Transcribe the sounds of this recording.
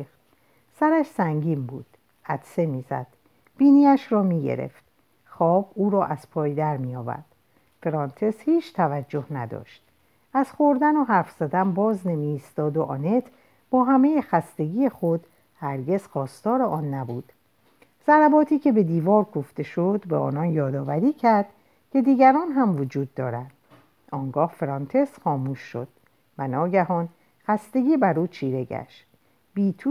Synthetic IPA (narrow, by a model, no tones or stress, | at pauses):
t̪ | sæɾæʃsæŋɟiːmbuːd̪̥ | æt̪se̞miːzæ̰d̪̥ | b̥iːniːæʃɾɒːmiːɟe̞̰ɾḛft̪̚ | xɒːbuːɾɒːʔæz̥pʰɒːjd̪æɾmiːjɒːvæ̰ɾd̪̥ | feɾɒnt̪ʰeshiːt͡ʃʰt̪ʰævæd͡ʒːo̞hnæd̪ɒ̰ːʃt̪̚ | æz̥χo̞ɾd̪ænoɦæɾfz̥æd̪æmbɒːzne̞miːst̪ɒːd̪oʔɒːnet̪ʰ | b̥ɒːɦæme̞jexæst̪e̞ɡiːjexod̪ | hæɾɟe̞z̥xɒːst̪ɒːɾeʔɒːnːæbṵːd̪̥ | z̥æɾæbɒːt̪ʰiːcʰe̞be̞d̪iːvɒːɾɡoft̪e̞ʃod̪beɒ̰ːnɒːnjɒːd̪ɒːvæɾiːcʰæɾd̪̥ | cʲʰe̞d̪iːɡæɾɒːnɦæmvod͡ʒuːd̪ːɒːɾæd̪̥ | ɒːŋɡɒːhfɾɒnt̪ʰe̞sxɒːmuːʃːo̰d̪̥̚ | vænɒːɟæhɒːn | xæst̪e̞ɡiːbæɾuːt͡ʃʰiːɾe̞ɡæ̰ʃt̪ | biːt̪ʰu